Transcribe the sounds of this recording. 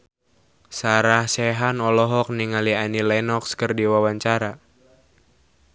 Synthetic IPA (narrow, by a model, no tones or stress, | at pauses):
saɾahsɛɦanɔlɔɦɔk̚niŋalianilɛnɔkskərdiwawaɲt͡ʃaɾa